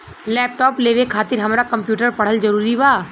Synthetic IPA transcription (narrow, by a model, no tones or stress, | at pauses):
lɛːp̚ʈɔːpleːʋekʰaːt̪ɪɾɦɐmɾakɐ̃mpjuːʈəɾpɐɽ̤əld͡ʒɐɾuːɾibaː